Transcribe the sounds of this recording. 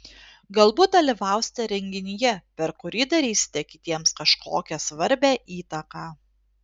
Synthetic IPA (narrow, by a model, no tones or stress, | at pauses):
ɡɐlˠbuːt̪̚d̪ɐlʲɪʋɑˑʊsʲt̪ʲɛɾʲɛŋʲɡʲɪnʲɪjɛpʲɛɾkʊɾʲiːd̪ɐɾʲiːsʲɪ̥t̪ʲɛkʲɪt̪ʲiɛmskɐʃkʰoːkʲɛsʋɐɾʲbʲæːʔiːt̪ɐkɑː